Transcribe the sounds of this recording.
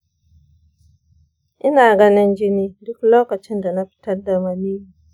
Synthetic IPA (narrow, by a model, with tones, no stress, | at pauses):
ʔɪ˦naː˨ɡɐ˦nɪ˦nd͡ʒɪ˦niː˦dʊ˦kloː˦kɐ˨t͡ʃɪ˦nda˨na˦ɸɪ̥˦tɐ˦rda˨ma˨niː˦˨